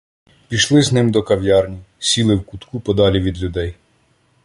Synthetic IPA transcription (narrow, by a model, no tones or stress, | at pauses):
pʲiʃlˠɪznɪmd̪ɔkɐʋjɑrnʲisʲilˠɪwkut̪kupɔd̪ɑlʲiʋʲid̪lʲʊd̪ɛj